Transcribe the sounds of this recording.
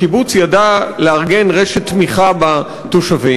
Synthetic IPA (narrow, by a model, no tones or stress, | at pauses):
kibut͡sjadaleaʁɡe̞nʁe̞ʃet̪ːmiχaba | toʃavi